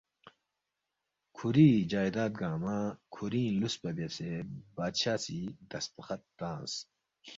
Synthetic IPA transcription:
kʰuɾiːd͡ʑaːjd̪aːt̪̚ɡaːmaːkʰuɾĩːluspɐbɐsebaːd̪ɕaːsid̪ɐspɐxɐt̪ːãːs

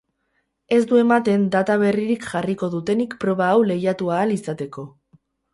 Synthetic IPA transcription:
e̞zd̪ue̞mat̪e̞nd̪at̪aβ̞e̞riɾikʝariko̞ðut̪e̞nikpɾo̞β̞aːwle̞jat̪uaːlisat̪e̞ko̞

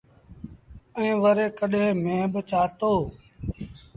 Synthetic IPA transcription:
əĩːʋəɾeːkəɗɦẽːmẽːbət͡ʃaːt̪oː

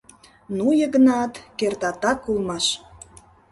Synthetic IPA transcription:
nujəɣənɑt̪kert̪ɑt̪ɑkːulmɑʃ

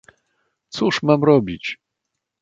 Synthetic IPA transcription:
t̪suʂmamɾɔbʲit͡ɕ

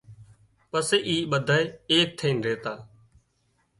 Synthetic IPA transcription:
pəseːʔiːɓəd̪ʱaːeeːk̚t̪ʰeːnɾeːt̪aː

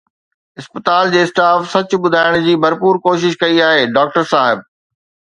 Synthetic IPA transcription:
ɪspət̪aːld͡ʑeːsʈaːfsɐt͡ɕʊ̆ɓʊd̪ʱaːɪɽ̃d͡ʑiːbʱɐɾpuːɾkoːʃ̬ɪʃkɐiaːɦeːɖaːk̚ʈəɾsaːɦɪb̚

